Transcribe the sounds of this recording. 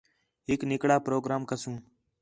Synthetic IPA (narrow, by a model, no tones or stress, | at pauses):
ɦɪknɪkɽaːpɾoːɡɾaːmkəsũː